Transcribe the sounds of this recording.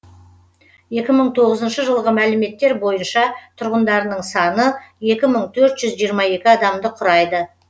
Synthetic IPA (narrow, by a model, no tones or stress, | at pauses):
je̞kʲɪməɴt̪ʰo̞ʁəzənʃəʒəlˠʁəmælɪme̞t̪ːe̞ɾbo̞jənʃɑt̪ʰʊɾʁənd̪ɑɾənəɴsɑnəje̞kʲɪməɴt̪ʰɵɾt̪ʒ̥ʏzʒijəɾmɑje̞kʲɪɑd̪ɑmd̪əqʰʊɾɑjd̪ə